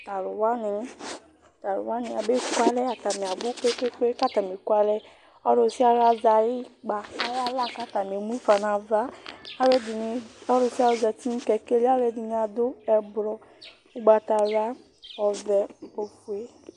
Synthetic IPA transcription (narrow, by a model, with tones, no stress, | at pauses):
t̪a˨lʊ˨wa˦nɪ˨˦ | t̪a˨lo̰˨wa˦nĩ˨a˨be˦kwa˦lɛ˦a˨t̪a˨mĩ˨a˨ɡ͡bo˦k͡pe˦ke˦k͡pe˦ka˦t̪a˨mĩ˨kwa˦lɛ˦ | ɔ˦ɾo˨˦si˦a˨ɾa˦za˨ji˦ɡ͡ba˨a˦ɾa˦la˦ka˦t̪a˨mĩ˨e˨mũ˦fa˨nã˨va˦a˦ɾe˦di˨n˨ɔ˦ɾo˨si˦a˨o˨za˨t̪i˦n̩˦kɛ˨ke˦li˦a˦ɾe˦di˨n˦a˨d̪o˦ɛ˨blɔ˨ | u˦ɡ͡ba˨t̪a˨ɾa˦ | ɔ˨vɛ˨˦po˨˦fu˨˦e˦